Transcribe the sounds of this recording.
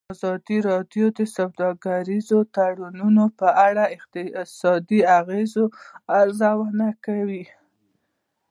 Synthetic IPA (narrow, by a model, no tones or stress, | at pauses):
azɑd̪iɾɑdjod̪əsawd̪ɑɡaɾizot̪aɽununopəʔaɽaɪq̚t̪ɪsɑd̪iaɣezoaɾzawanakawi